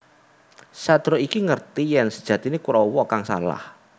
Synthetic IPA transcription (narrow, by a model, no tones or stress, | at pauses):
sad̪̥ɾoikiŋərt̪ijɛnsəd̥ʒ̥ä̤t̪inekuɾɔwɔkaŋsa̰la̰h